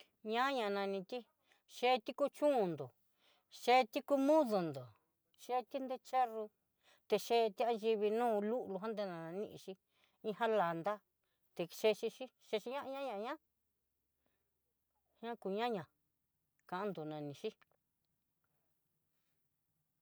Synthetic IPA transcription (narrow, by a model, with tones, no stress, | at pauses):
ɲã˦ɲã˧˨˧nã˧nĩ˧t̪i˦ | ʃe˧˦˧t̪i˦ku˦t͡ʃũ˦˧nd̪o˨ | ʃe˧˦˧t̪i˦ku˦mũ˦ðu˧nd̪o˨ | ʃe˦˧t̪i˦nd̪e˦t͡ʃe˦ru˧ | t̪e˧ʃe˧˦˧t̪i˦a˧nʒi˧βi˧nũː˦˧lu˦ʔlu˧ɦã˦nd̪e˧nã˧ã˧nḭ̃˧ʔḭ̃˧ʃi˧ | ĩ˧ɦã˦la˨nd̪a˦ | t̪e˧ʃe˧ʃi˧ʃi˦ʃe˧ʃi˧˦ɲã˦ʔɲã˦ɲã˧ɲã˦ | ɲã˦ku˧˨ɲã˦ɲã˨ | kã˨ʔã˧˦nd̪o˨nã˨nĩ˨˧ʃi˦